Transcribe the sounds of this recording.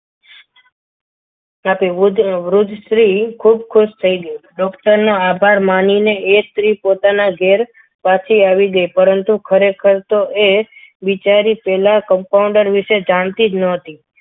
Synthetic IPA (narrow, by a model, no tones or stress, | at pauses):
aped̪ʋɾʊd̪ʱsɾikʰub̚kʰʊʃt̪ʰəiɡəjoɖɔkʈəɾnoabʱaɾmanineet̪ɾipot̪anaɡʱeɾ | pat͡ʃʰiaʋiɡəjpəɾənt̪ukʰəɾekʰəɾt̪oʔeʋit͡ʃaɾipɛlakəmpaũɳɖəɾʋiʃed͡ʒant̪id͡ʒnəət̪i